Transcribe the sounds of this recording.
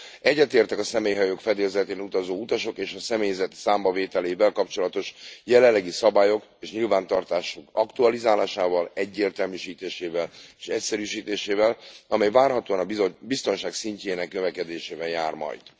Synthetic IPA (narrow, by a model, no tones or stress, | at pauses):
ɛɟːɛt̪eːrt̪ɛkɒsɛmeːjɦɒjokfɛd̪eːzɛt̪eːnut̪ɒzoːut̪ɒʃo̞keːʃɒsɛmeːjzɛt̪saːmbɒveːt̪ɛleːvɛlkɒp̚t͡ʃo̞lɒt̪o̞ʃjɛlɛlːɛɡisɒbaːjo̞keːʃɲilvaːnt̪ɒrt̪aːʃukɒkt̪uɒlizaːlaːʃaːvɒlɛɟːeːrt̪ɛlmyʃiːt̪eːʃeːvɛleːʃɛcsɛɾyːʃiːt̪eːʃeːvɛlɒmɛjvaːrɦɒt̪oːɒnɒbist̪o̞nʃaːksiɲceːnɛknøvɛkɛd̪eːʃeːvɛjaːrmɒ̰jd̪̥